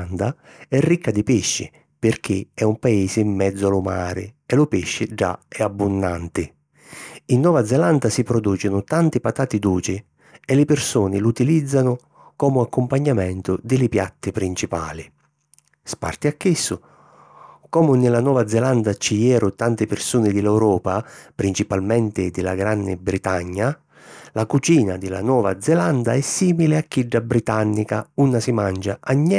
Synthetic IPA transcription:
nd̪a | ɛrːikʰːad̪ɪpɪʃːɪ̰ | pɪrk̟ɪɛumpaiːsɪːmːɛd̪zʊalʊma̰ːɾɪ̰ɛlʊpɪʃːɪd͡ʒa̰ɛabːʊnːa̰nt̪ɪ | inːɔːvad̪zɛland̪asipɾɔd̪uːt͡ʃɪnʊt̪ant̪ɪpat̪aːt̪id̪uːt͡ʃɪ | ɛlɪpɪrsuːnɪlut̪ilid̪zːanʊ | kɔːmʊakːʊmpaɲːamɛnt̪ʊd̪ɪlɪpja̰t̪ːɪpɾint͡ʃipa̰ːlɪ | spa̰rt̪ɪakːisːʊ | kɔmʊnɪlanɔːvad̪zɛland̪at͡ʃijɛːɾʊt̪ant̪ɪpɪrsuːnɪd̪ɪlɛwɾɔːpapɾint͡ʃipalmɛnt̪ɪd̪ɪla̰ɡɾanːɪbɾit̪aɲːa | lakut͡ʃiːnad̪ɪla̰nwɔːva̰d̪zːɛland̪aɛsːiːmilɪakːiɖːabɾit̪anːikaunːasimand͡ʒaaɲːɛ

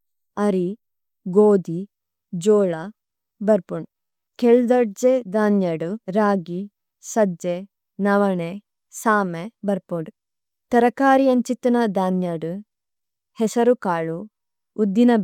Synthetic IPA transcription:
ɐɾi | ɡoːd̪i | d͡ʒoːɭɐ | bɐɾpuɳ | keɭud̪ɐɖd͡ʒed̪aːnjɐɖuɾaːɡi | sɐd͡ʒe | nɐʋɐɳe | saːmebɐɾpoɖ | t̪ɐɾɐkaːɾijɐnt͡ʃit̪ɐnɐd̪aːnjaɽu | hɛsɐɾukaːɭu | ud̪ːinɐ

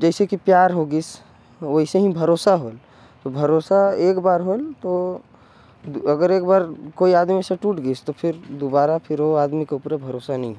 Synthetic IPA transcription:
d͡ʒɛɪsekipjaɾɦoɡəs | oɦiseɦĩbʱəɾosaɦol | t̪obʱəɾosaeːkbaːɾɦolt̪o | ɐɡəɾeːkbaːɾkoiaːd̪miseʈuʈɡəst̪opʰɪɾd̪obaːɾapʰɪɾoaːd̪mikeʊpɾebʱəɾoːsanəɦĩɦo

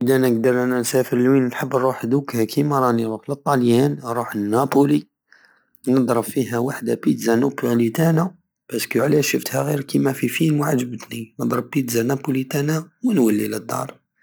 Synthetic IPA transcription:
ʔəd̪ænəɡ̚d̪ɑɾˤænænsæfəɾəlwinħəbːɾˤuħd̪ukhækʰimɑɾˤɑniɾˤuxlət̪ˤːɑljænɾˤuħənːæpuli | nəd̪ɾˤəbfːiɦæwaħd̪apit̪zænupulit̪æna | b̥æskuʕlæʃəft̪hæɣiɾkimæfifinwaʕaʒːəbət̪ninəd̪ˤɾˤəb̚ːit̪zanæpulit̪ænawənwælːiləd̪ːɑ̰ɾˤ

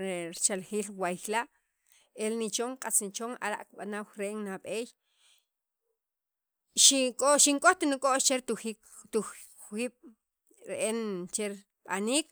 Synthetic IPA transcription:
ɾt͡ʃalχiːlwajxlaʔ | elnit͡ʃoŋqʼat͡snit͡ʃoŋa̰ɾa̰ʔkɓanawɾeːŋnaɓeːj | ʃikʼoʃiŋkʼoxt̪inikʼoʔt͡ʃeɾt̪uxik | t̪u | wiːɓ̥ | ɾeʔent͡ʃeɾ | ɓa̰niːk

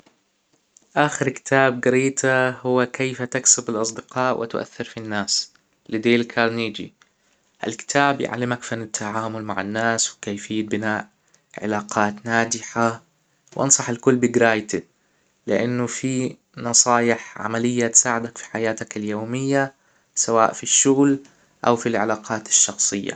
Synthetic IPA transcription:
ʔaːxɪɾkɪ̥t̪ʰaːb̚ɡɪɾiːt̪ʰahʊwːakejfat̪aksɪbɪlʔɑsˤd̪ɪqɑːʔwɪ̰t̪ʔa̰θːɪɾfinːaːs | lɪd̪eːlkʰaɾniːd͡ʒḭ | ʔa̰lkɪ̥t̪ʰaːbja̰ʕa̰lːɪmakfanːɪt̪ʰːaʕaːmʊlmaʕa̰nːaːswɪkajfɪjːat̪̚bɪnaːʔ | ʕɪ̰laːqʰɑːt̪naːd̪ɪħa | wʔɑ̰nsˤɑħɪlkʊlːbɪɡɾaːjt̪ɪd̪ | lɪʔanːʊfi | nɑsˤɑːjɪħʕa̰malɪjːat̪saːʕɪd̪akfi̥ħajaːt̪akɪljoːmɪjːa | sawaːʔfiʃːʊɣl | ʔawfilʕalaːqɑːt̪ɪ̥ʃːɑxsˤɨjːa̰

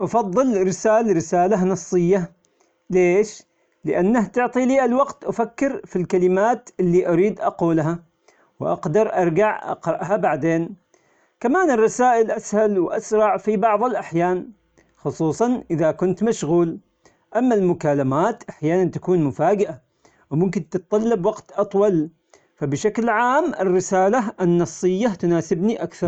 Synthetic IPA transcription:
ʔɑfɑðˤːɨlɾɪsaːlɾɪsaːlaɦnɑsˤːɨjːa | leːʃ | lɪʔanːaht̪ʊʕt̪ˤiliːʔalwɑɡt̪ʔafakːɪɾfilkalɪmaːt̪ʔɪlːiʔaɾiːd̪ʔɑquːlɦa | wʔɑ̰qd̪ɑɾˤʔɑɾˤɡaʕʔɑ̰qɾˤɑʔhabaʕd̪eːn | kamaːnɪrˤːɑsaːʔɪlʔashalwʔasɾˤɑʕfibɑʕðˤɪlʔaħjaːn | xʊsˤuːsˤɑnʔɪðakʊnt̪maʃɣuːl | ʔamːalmʊkaːlamaːt̪ʔaħjaːnant̪ḁkuːnmʊfaːd͡ʒɪʔa | wmʊmkɪnt̪ɪt̪t̪ˤːɑlːɑbwɑɡt̪ʔɑt̪ˤwɑl | fabɪʃaklʕaːmɪrːɪsaːlaʔɪnːɑsˤːɨjːat̪ʊnaːsɪbniʔakθɑɾˤ

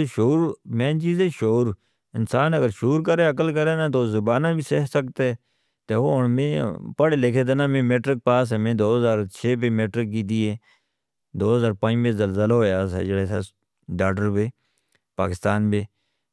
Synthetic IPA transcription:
eʃoːɾmẽːt͡ʃiːzẽːʃoːɾ | ɪnsaːnəɡəɾʃoːɾkəɾeːək̬əlkəɾeːnãːt̪ozʊbaːnãːbʱiːseːksəkt̪e | t̪eːoːʊɳmẽːpəɽeːlekʰeːd̪eːnãːmẽːmeːʈɾɪk̚paːs̬eːmẽːd̪oːɦəzaːɾt͡ʃʰeːpeːmeːʈɾɪk̚ɡiːd̪iːeː | d̪oːɦəzaːɾpãːd͡ʒmẽːzəlzəlaɦoːjaːsɛ̰ːd͡ʒəɽeːsḛː | ɖaːɖəɾbeː | paːkɪst̪aːnbeː

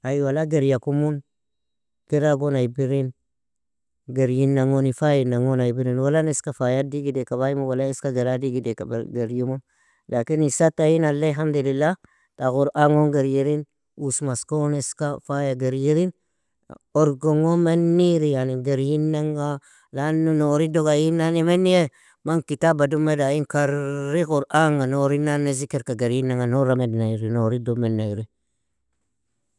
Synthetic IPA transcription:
ajwalaɡeɾjakumun | kiɾaɡonaibiɾin | ɡeɾjinːaŋonifajinaŋonajbiɾinwalaneskafajadiɡidekaβajimuwalaiskaɡaɾadiɡideka̰ba̰ɡaɾjimum | lʔakinisatajinalːaɦamd̪ulilːa | taɣuɾʔaŋonɡaɾjiɾin | usmaskoneskafajaɡeɾjiɾin | oɾɡoŋomenːiɾijaniɡeɾjinːaŋɡa | lanunoɾidoɡajinːanimenːije | maŋkitabadumedajikaɾːiɣuɾaŋanoɾinanːezikeɾkaɡeɾjinːaŋɡanoɾamednaiɾinoɾidomenːaɾi

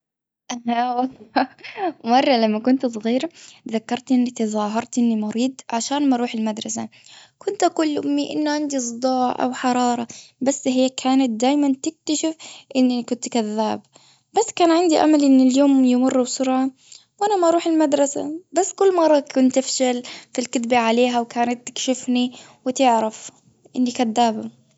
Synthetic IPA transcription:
ʔaawɑlˤː | mɑrˤːɑlamːakʊnt̪s̬ˤɣiːɾðakːɑɾˤt̪ʔɪnːɪt̪ɪzˤɑːɦɑɾˤt̪ʔɪnːimʊɾiːd̪ʕaʃaːnmaʔɑɾuːħɪlmad̪ɾˤɑsa̰kʰʊnt̪ʔakulːʔʊmːiʔɪ̰nːʕand̪isˤd̪ˤɑːʕʔa̰wħɑɾˤɑːɾˤɑbasːɦɪjːakʰaːnat̪̚d̪aːjmant̪ɪk̚t̪aʃɪfʔɪnːikʊnt̪kaðːa̰ːb | b̥asːkaːnʕɪnd̪iʔa̰malʔɪnːɪljoːmjɪmʊrːubsʊɾʕa | wʔanamaʔɑɾˤuːħɪlmad̪ɾˤɑsa̰basːkʊlːmɑrˤːɑkʰʊnt̪ʔafʃalfilkɪt̪baʕaleːɦawkʰaːnat̪ːɪ̥kʃɪfni | wɪt̪ɪʕɾaf | ʔɪnːikaðːaːba

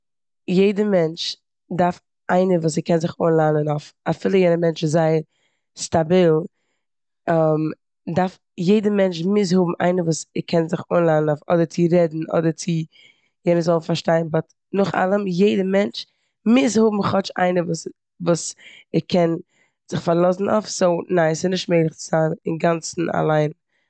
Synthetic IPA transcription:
jeɪdəmɛnt͡ʃ | daɾf | ʔaɪnəvuːs̬ɪkɛnzɪχoːnlˠanənoʊfafiːlˠəjɛnəmɛnt͡ʃzaɪəɾ | stabilˠ | am | daɾf | jeɪdəmɛnt͡ʃmɪs̬hʊbm̩ʔa̰ɪnəvuːsɪkʰɛnzɪχoːnlˠanənaʊfɔ̰dəɾt͡sɪɾɛdn̩ɔ̰dəɾt͡sɪ | jɛnəzɔlˠnfaɾʃtaɪənbɔt | nʊχa̰lˠəmjeɪdəmɛnt͡ʃ | mɪs̬hʊbm̩χɔt͡ʃa̰ɪnəvuːs | vuːsɪkʰɛn | z̥ɪχfaɾlˠɔsn̩ʔɔ̰fsoʊnaɪsɪnɪʃtmeɪlˠɪχt͡sɪz̥aːnɪnɡant͡sn̩a̰lˠaɪn

